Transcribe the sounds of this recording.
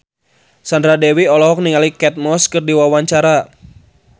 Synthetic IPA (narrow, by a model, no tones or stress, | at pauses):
sandɾadɛwiɔlɔɦɔk̚niŋalikɛt̪̚mɔskɨrdiwawaɲt͡ʃaɾa